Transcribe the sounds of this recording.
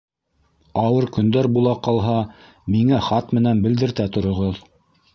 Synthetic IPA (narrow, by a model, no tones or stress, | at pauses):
ɑwɤɾkɵ̆nd̪æɾbulˠɑqɑlˠɦɑ | miŋæχɑt̪mɘ̆nænbɘ̆ld̪ɘ̆ɾt̪æt̪ŏɾŏʁɤð